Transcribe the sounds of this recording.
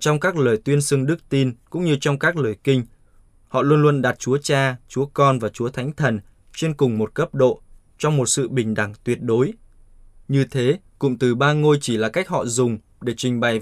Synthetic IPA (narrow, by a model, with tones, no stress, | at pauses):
t͡ɕɔ˧wŋ͡mkaː˦˥k̚ləː˨˩jt̪wi˧ənsɨ˧əŋɗɨ˦˥k̚t̪i˧nkʊ̰˧˥ŋ͡mɲɨ˧t͡ɕɔ˧wŋ͡mkaː˦˥k̚ləː˨˩jkï˧ŋ̟ | hɔ̰˧˨lwu˧ənlwə˧ənɗa˨˩t̚t͡ɕu˨˦ət͡ɕaː˧t͡ɕu˨˦əkɔ˧nvaː˨˩t͡ɕu˨˦ət̪ʰa˨˦jŋ̟t̪ʰə˨˩n | t͡ɕe˧nkʊ˨˩ŋ͡mmo˨˩t̚kə˦˥p̚ɗo̰˧˨ | t͡ɕɔ˧wŋ͡mmo˨˩t̚sɨ̰˧˨ɓï˨˩ŋ̟ɗa˧˩ŋt̪wi˨˩ət̚ɗo˨˦j | ɲɨ˧t̪ʰe˨˦ | kʊ̰˧˥ŋ͡mt̪ɨ˨˩ɓaː˧ŋo˧jt͡ɕi˧˩laː˨˩ka˦˥k̚hɔ̰˧˨zʊ˨˩ŋ͡m | ɗe˧˩t͡ɕï˧˩ŋ̟ɓa˨˩j